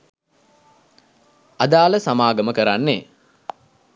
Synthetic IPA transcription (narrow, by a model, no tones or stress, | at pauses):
ad̪aːləsamaːɡəməkəɾanːe